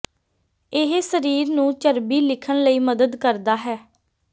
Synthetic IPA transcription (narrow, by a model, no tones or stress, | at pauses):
ɪɦsəɾiːɾnũːt͡ʃəɾbiːlɪkʰəɳləiːməd̪əd̪kəɾd̪aːɦɛː